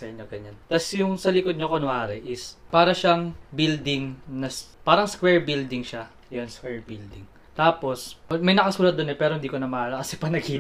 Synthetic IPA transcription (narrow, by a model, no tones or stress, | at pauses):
sɐʔɪɲːoɡɐɲant̪ɐsjʊŋsɐlɪkod̪̚ɲokonʊʔaːɾɛʔɪspaːɾɐʃaŋbild̪ɪŋnɐspaːɾɐŋskwɛːɹbild̪ɪŋʃa | jonskwɛɹbild̪ɪŋ | t̪aːpo̞swɐmɐjnɐkɐsuːɾɐt̪̚ːonɛpɛːɾohɪnd̪iːkonɐmɐlɐkɐsɛpɐnɐɡiː